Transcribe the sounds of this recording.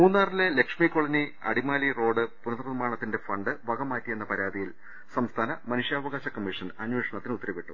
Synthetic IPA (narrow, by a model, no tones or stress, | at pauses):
muːnːaːrilele̞kʂmikːo̞ɭɐniɐ̰ɽimaːliro̞ːɖɨpunɐt̪rɐðmaːɳɐt̪ːinde̞fɐɳɖɨʋɐɡɐmaːtːije̞nːɐpɐɾaːd̪ijil | sɐmst̪ʰaːnɐmɐnuʂjaːʋɐɣaːɕɐkɐmːiʂɐnɐnweːʂɐɳɐt̪ːinut̪ːɐɾɐʋiʈːu